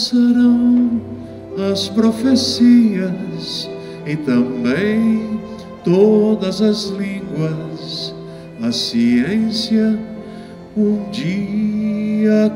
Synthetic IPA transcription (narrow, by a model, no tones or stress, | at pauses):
seɾɐ̃w̃ | nɐspɾofesiɐs | ɪt̪ɐ̃bẽj̃ | t̪od̪ɐzɐzlĩɡwɐs | ɐsiẽsjɐ | ũd͡ʒi | ɐ